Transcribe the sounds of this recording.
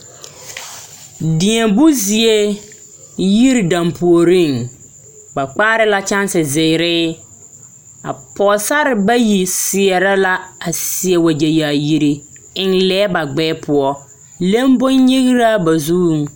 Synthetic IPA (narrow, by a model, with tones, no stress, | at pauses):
dɪ˨ɛ˨bʊ˦zi˨e˦ | ji˦ɾi˨da˨mpu˨o˨ɾi˦˨ŋ | ba˨k͡paː˦ɾɪ˦la˦t͡ʃa˦nsɪ˨zɪ˨ɾɪː˦ | a̰˨pɔ˨sa˦ɾɪ˨ba˦ji˨sɪ˨ɛ˨ɾa˦la˦a˨sɪ˨ɛ˨wa˨d͡ʒa˨jaː˨ji˨ɾi˨ | ɪ˦nlɛː˦ba˨ɡ͡bɛː˦pʰʊ˦ɔ˦ | le˦mbo˦nɲi˦ɣɾa˦ba˨zu˦˨ŋ˨